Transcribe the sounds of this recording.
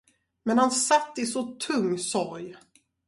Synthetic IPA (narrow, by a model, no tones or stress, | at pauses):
mɛnhansat̪ːɪsɔt̪ʰɵŋːsɔɾj